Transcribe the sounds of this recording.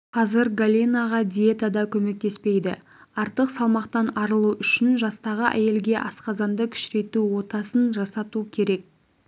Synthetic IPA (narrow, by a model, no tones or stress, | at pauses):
qʰɑzɪɾɡalʲinaʁɑd̪ʲijet̪ad̪ɑkʲʰɵme̞k̚t̪e̞spe̞jd̪ɪ̰ | ɑɾt̪əqsɑlˠmɑqt̪ɑnɑɾəlˠuʏʃɪnʒɑst̪ɑʁəʔæ̰je̞lɡʲe̞ʔɑ̰sqɑzɑnd̪əkʲʰʏ̥ʃɾe̞t̪uwo̞t̪ɑsənʒɑsɑt̪ukʲʰe̞ɾe̞k̚